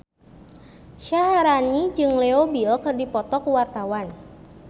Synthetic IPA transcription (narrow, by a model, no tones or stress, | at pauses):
ʃaaɾanid͡ʒɨŋlɛobilkɨrdipɔt̪ɔkuwart̪awan